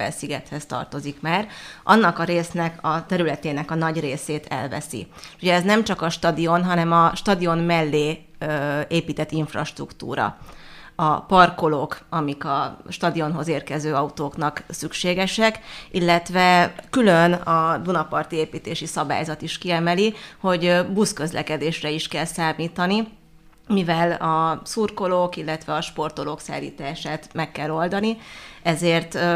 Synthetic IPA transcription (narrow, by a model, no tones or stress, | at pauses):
ɛ̰lsiɡɛt̪hɛst̪ɒ̰rt̪o̞zikmaːrʔɒ̰nːɒkɒɾeːsnɛkɒt̪ɛɾylɛt̪eːnɛkɒnɒɟreːseːt̪ʰɛ̰lvɛ̰sḭuɟɛɛznɛmt͡ʃɒkɒʃt̪ɒd̪io̞nɦɒnɛmɒʃt̪ɒd̪io̞nmɛlːeːøeːpiːt̪ɛt̪ːiɱfrɒ̰ʃt̪rukt̪ṵːɾɒ̰ | ɒpɒrko̞loːkɒmikɒʃt̪ɒd̪io̞nɦo̞zeːrkɛzøːɒut̪oːknɒksykʃeːɡɛʃɛkilːɛt̪ʋɛkylø̞nɒd̪unɒpɒrt̪ieːpiːt̪eːʃisɒba̰ːjzɒt̪iʃkiɛmɛliho̞ɟbuskø̞zlʔɛ̰kɛd̪eːʃrɛiʃkɛlsaːmiːt̪ɒni | mivɛlɒsurko̞loːkilːɛt̪ʋɛɒʃpo̞rt̪o̞loksa̰ːlːḭːt̪aːʃaːt̪mɛkːɛlːo̞ld̪ɒniɛzeːrt̪